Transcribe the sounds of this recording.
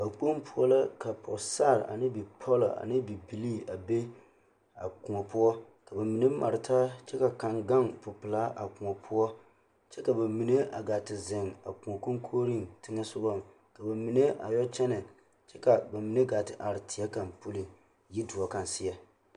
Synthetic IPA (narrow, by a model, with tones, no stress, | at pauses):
ba˨k͡po˦mpʊ˦ɔ˦la˦ka˨pʰɔ̰˨sa˦˨ɾa̰˨nɨ˦bi˨pʰɔ˦lɔ̰˨ʔa̰˨nɪ˦bi˨bi˨li˦a˨be˦ | a̰˨ku˨ŋɔ˨pʊ˦ɔ˦ | ka˨ba˨mi˨ne˦ma̰˨ɾɪ˨tʰa˦t͡ʃɛ˦ka˨ka˨ŋɡa˦ŋpʊ˨pɨ˨la˦ʔa˨kʊ˨ŋɔ˨pʰʊ˦ɔ˦ | t͡ʃɛ˦ka˨ba˨mi˨ne˦ʔa̰˨ɡa˨tɪ˨zɪ˨ŋa̰˨ku˨ŋɔ˨ko˦ŋkʰoː˦ɾi˦ntɪ˦ŋa˦sʊ˦bɔ˦˨m˨ | ka˨ba˨mi˨ne˦ʔa̰˨jɔ˦t͡ʃɛ˦nɛ˨ | t͡ʃɛ˦ka˨ba˨mi˨ne˦ɡa˨tɪ˨ʔa˨ɾɪ˨tʰi˨a˦ka˨mpo˦li˨ | ji˦du˨ɔ˨ka˨nsɪ˦ja˦